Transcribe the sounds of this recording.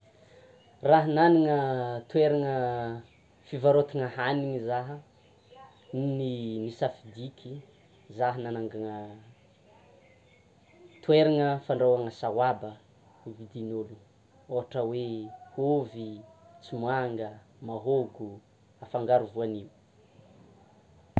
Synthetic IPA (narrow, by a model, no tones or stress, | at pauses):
raɦənaniŋət̪weɾaŋə | fivaɾot̪iŋəhaniŋizaɦə | nnimisafid̪ikʲʰi | zaɦənanaŋɡaŋə | t̪weɾaŋəfaɳɖ͡ʐawaŋəsawabə | uvid̪inulu | oɦaʈ͡ʂəwehovi | t͡simwaŋɡə | maɦoɡu | afaŋɡaɾuvuaniwu